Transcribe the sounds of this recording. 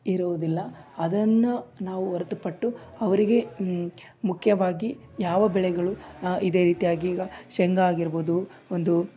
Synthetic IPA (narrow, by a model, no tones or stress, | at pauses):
iɾuʋd̪ilːɐɐd̪ɐnːunaːʋuɐɾɐt̪upɐʈːuɐʋɐɾiɡe̞ | mukʰjɐʋaːɡi | jaːʋɐbɛɭɛɡɐɭuid̪e̞ːɾiːt̪ijaːɡiːɡɐʃɛŋɡaːɡiɾboːd̪u | ond̪u